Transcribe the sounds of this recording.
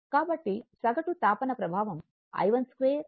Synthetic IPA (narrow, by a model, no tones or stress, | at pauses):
kaːbɐʈːisɐɡɐʈut̪aːpɐnɐpɾɐbʱaːʋɐm | ɐ̰jʋɐnskɾeːɾ